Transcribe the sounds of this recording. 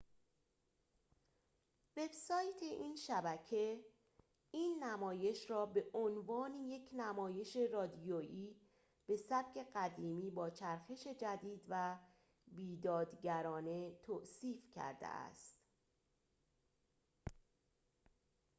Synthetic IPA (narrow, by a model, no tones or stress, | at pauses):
ve̞bsɒːjt̪ʰe̞ʔiːnʃæbæcʰe̞ | iːnːæmɒːje̞ʃrɒːbe̞ʔonvɒːnije̞cʰnæmɒːje̞ʃe̞rɒːd̪ioʔiː | b̥e̞sæb̥cʰe̞ɢæd̪iːmiːbɒːt͡ʃʰæɾxe̞ʃe̞d͡ʒæd̪iːd̪væ | biːd̪ɒːd̪ɟæɾɒːne̞t̪ʰosiːfcʰæ̰ɾd̪ḛʔæ̰st̪